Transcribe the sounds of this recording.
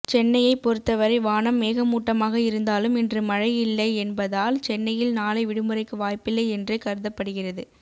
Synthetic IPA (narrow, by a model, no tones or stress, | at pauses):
t͡ʃɛnːɐjɐɪpɔɾɯt̪ːɐʋɐɾɐɪʋaːnɐmːeːɣɐmuːʈːɐmaːɣɐɪɾɯnd̪aːlɯmɪndrɯmɐɻɐjɪlːɐɪɛnbɐðaːlt͡ʃɛnːɐjɪlnaːlɐɪʋɪɽɯmɯrɐɪkːɯʋaːjpɪlːɐɪɛndrekɐɾɯðɐpːɐɽɯɣɪrɐðɯ